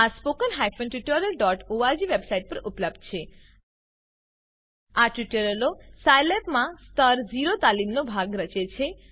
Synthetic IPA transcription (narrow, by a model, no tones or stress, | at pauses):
aspokənɦajfonʈuʈəɾəlɖɔʈoaɾd͡ʒiʋebsaiʈ̚pəɾupləb̚d̪̚t͡ʃʰe | aʈuʈəɾəlosajlepmãst̪əɾd͡ʒiɾot̪alimnobʱaɡɾət͡ʃet͡ʃʰe